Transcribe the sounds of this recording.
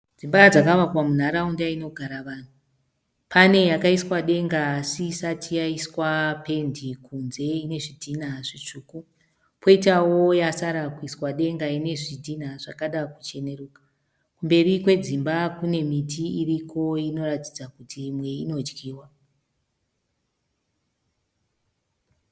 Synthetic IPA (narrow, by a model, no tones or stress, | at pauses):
d͡zimbad͡zakaʋakwamun̤aɾaundaino̞ɡʱaɾaʋaːn̤u | pʰane̞jakaiswaɗe̞ŋɡaːsisatʰijaiswape̞ndikunze̞ine̞ʐidʱinaʐit͡ʂuːku | pʰo̞itawo̞jasaɾakuiswaɗe̞ŋɡaine̞ʐidʱinaʐakaɗakut͡ʃe̞ne̞ruːkḁ | kumbe̞rikwe̞d͡zimbakune̞mitʰiirikʰo̞ino̞ratid͡zakutʰimwe̞ino̞d͡ʒɡiːwa